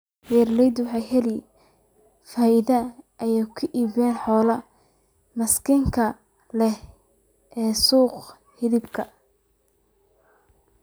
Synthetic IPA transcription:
ɛrlɛjd̪wħɑjɦɛli | faːʔɪðɐʔɐjakʰʊʔiːβɛːnħɔːlɐ | mɐskʰɪŋkʰɐ | lɛh | ʔɛːsuːq | hɪðɪbkʰɐ

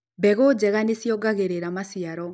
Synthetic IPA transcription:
bɛɣod͡ʑɛɣanesjɔɡaɣeɾeɾamasiaɾɔ

